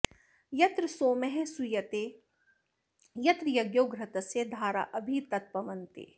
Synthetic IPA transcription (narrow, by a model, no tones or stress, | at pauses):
jɐt̪ɾsoːmɛɦɛsujɐt̪eː | jɐt̪ɾjɐɡjoːɡɾɐt̪ɐsed̪ʱaːɾa̰ːʔɐbʱit̪ɐt̪̚pɐʋɐnt̪ḛː